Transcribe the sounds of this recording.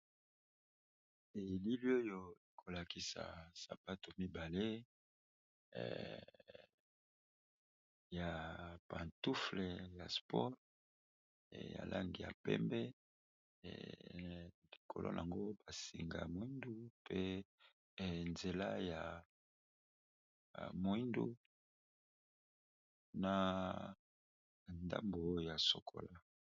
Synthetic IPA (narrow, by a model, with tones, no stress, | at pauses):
e˨e˨li˦li˦o˦jo˨e˨kʰo˨la˨ki˦sa̰˨sa˨pa˦to˨mi˦ba˨le˦ | ja˨pa˨ntu˦fle˨ja˨spʰɔ˦ʁ | ja̰˨lʔa˦ŋɡi˨ja̰˨pɛ̰˦mbɛ˦ | li˨kʰo̰˨lo̰˦na̰˨a˨ŋɡo˦ba˨si˨ŋɡa̰˨mwi˦ndu˦pʰe˦ | nze˨la˦ja˨ | mo˨i˦ndṵ˦ | na˨ | nda˦mbo˨˦ja˨so˨kʰo̰˨la˦